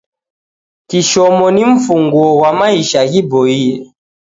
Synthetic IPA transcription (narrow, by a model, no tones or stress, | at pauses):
kiʃɔmɔniɱ̩fuŋɡwɔwamaiʃaɣibɔiɛ